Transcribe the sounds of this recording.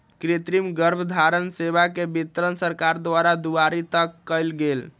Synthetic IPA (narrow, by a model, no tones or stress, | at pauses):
kɾet̪ɾimɡəɾbʱəd̪ʱaɾənsebakebit̪ɾənsəɾkaɾd̪ʋaɾad̪uaɾit̪əkːəjlɡel